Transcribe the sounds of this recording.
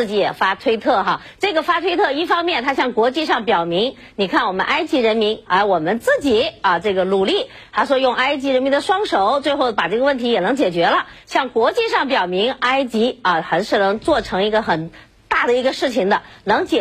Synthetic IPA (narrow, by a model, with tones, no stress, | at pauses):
t͡ɕi˧˥jɛ˨˩fa˥t̪ʰwe˥ɪt̪ʰɤ˥˩xa˧ | ʈ͡ʂɤ˥˩ɡə˩fa˥t̪ʰwe˥ɪt̪ʰɤ˥˧i˥˩fɑ˥ŋmjɛ˥˩nt̪ʰa˥ɕjɑ˥˩ŋkwɔ˧˥t͡ɕi˥˧ʂɑ˥˩ŋpjɑ˨˩ʊmi˧˥ŋ | ni˨˩kʰa˥˩nwɔ˨˩mə̰˦nʔa˥ɪt͡ɕi˧˥ɻə˧˥nmi˧˥nə˧˩wɔ˨˩mə˦nt͡sɹ̩˥˩t͡ɕi˨˩˦ɐ˥˧ʈ͡ʂɤ˥˩ɡə˩lu˨˩li˥˩ | t̪ʰa˧˥ɪʂwɔ˥jʊ˥˧ŋa˥ɪt͡ɕi˧˥ɻə˧˥nmi˧˥n˥d̪ə˧ʂwɑ˥ŋʂo˨˩˦ʊt͡swe˥˧ɪxo˥˩ʊpa˨˩ʈ͡ʂɤ˥˩ɡə˧wə˥˩nt̪ʰi˥jɛ˨˩nɤ˧˥ŋt͡ɕjɛ˨˩t͡ɕɥɛ˧˥lə˧ | ɕjɑ˥˩ŋkwɔ˧˥t͡ɕi˥˧ʂɑ˥˩ŋpjɑ˨˩ʊmi˧˥ŋa˥ɪt͡ɕi˧˥ɐ˧˩xa˧˥nʂɻ̩˥˩nɤ˧˥ŋt͡swɔ˥˩ʈ͡ʂʰɤ˧˥ŋi˧˥ɡə˧xə˨˩n | t̪a˥˩d̪ə˩i˧˥ɡə˧ʂɻ̩˥˩t͡ɕʰi˨˩ŋd̪ə˦nɤ˧˥ŋt͡ɕjɛ˨˩